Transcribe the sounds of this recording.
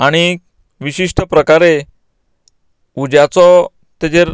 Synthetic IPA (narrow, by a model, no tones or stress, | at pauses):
aɽ̃i | ʋiɕiʂʈʰəpɾəkaɾe | ud͡ʑjat͡sɔ | t̪ed͡ʑeɾ